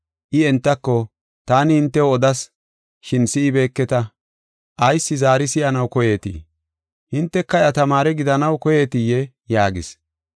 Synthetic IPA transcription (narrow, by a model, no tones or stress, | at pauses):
ʔɪɛnt̪ːɐkːɔ | t̪aːnɪhɪnt̪ːɛwɔd̪ɐs | ʃɪnsɪːbe̞ːkːɛt̪ɐ | ʔɐjsːɪzaːɾɪsɪjɐnɐwkɔje̞ːt̪ḭː | hɪnt̪ːɛkːɐjɐt̪ɐmaːɾɛɡɪd̪ɐnɐwkɔjeːt̪ɪjːɛ | jaːɡɪ̰s